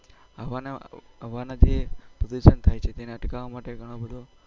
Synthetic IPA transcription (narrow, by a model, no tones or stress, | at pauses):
əʋaneəʋanad͡ʒepɾəd̪uʃənt̪ʰajt͡ʃʰet̪eneəʈkaʋamaʈeɡʱəɽ̃obəd̪ʱo